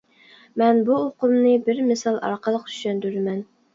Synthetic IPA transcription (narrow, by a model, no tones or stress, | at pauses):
mɛnbuoqʊmnɨbɪɾmɪsɑlˠɑ̰ɾqəlˠəqt̪ʰy̥ʃɛnd̪yɾmɛn